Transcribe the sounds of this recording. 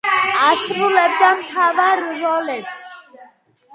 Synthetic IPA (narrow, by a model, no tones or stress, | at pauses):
asbulɛb̚d̪amt̪ʰavaɾːɔlɛt̪sʰ